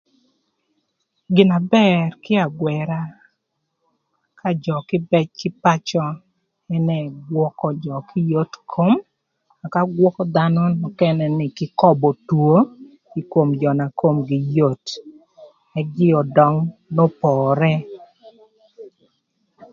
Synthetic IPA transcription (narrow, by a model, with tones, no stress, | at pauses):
ɡɪ˨na˨bɛ˦rkɪ˦a˨ɡwɛ˨ɾa˦ | kʰa˦d͡ʒɔ˨kɪ˦bɛ˦t͡ʃkɪ˦pa˦t͡ʃɔ˦ | ɛ˦nɛ˨ɡwɔ˦kɔ˨d͡ʒɔ˨kʰɪ˦jo˦tkʰo˦m | a˨ka˦ɡwɔ˦kɔ˦d̪a˦nɔ˦nɔ˨kɛ˦nɛ˨nɪ˨kɪ˦kɔ˦bɔ˨two˦ | i˨ko˨md͡ʒɔ˨na˨ko˦mɡɪ˨jo˦˨t | ɛ˨˦ɡɪ˦ɔ˨dɔ˦ŋnɔ˦pɔːɾɛ˦